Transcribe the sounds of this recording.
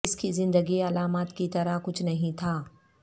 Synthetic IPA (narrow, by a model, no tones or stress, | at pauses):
ɪskizɪ̃nd̪əɡiɐlaːmaːt̪kit̪ɐɾakʊt͡ʃʰnɐɦĩt̪ʰaː